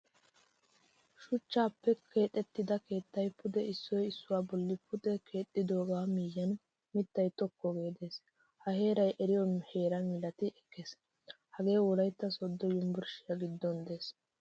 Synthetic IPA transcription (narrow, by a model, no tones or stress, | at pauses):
ʃʊt͡ʃːaːpːɛkʰe̞ːt̪ʼːɛt̪ːɪd̪ɐke̞ːt̪ːɐjpʰʊd̪ɛɪsːɔjɪsːʊwaːbɔlːɪpʰʊd̪ɛkʰe̞ːt̪ʼːɪd̪o̞ːɡaːmijːɐn | mɪt̪ːɐjt̪ɔkːɔɡe̞ːd̪e̞ːs | hɐhe̞ːɾɐjʔɛɾɪjɔhe̞ːɾɐmɪlɐt̪ɪʔɛkːeːs | hɐɡe̞ːwɔlɐjt̪ːɐsɔd̪ːɔjʊmbʊɾʃɪjɐɡɪd̪ːɔnd̪e̞ːs